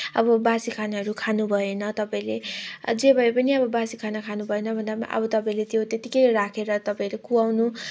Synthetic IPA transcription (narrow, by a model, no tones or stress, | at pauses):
ʌ̰bʌbasikʰanaɦʌɾukʰanubʱʌenʌt̪ʌpãĩled͡zebʱʌepʌniʌbʌbasikʰanʌkʰanubʱʌenʌbʱʌnd̪apʔʌ̰bʌt̪ʌpaĩlet̪jot̪et̪ikʌjɾakʰeɾʌt̪ʌpãĩlekuawnu